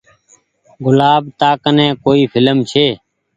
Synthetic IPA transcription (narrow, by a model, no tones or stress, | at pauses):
ɡʊlaːbt̪aːkənẽːkoːiːpʰɪləmt͡ʃʰeː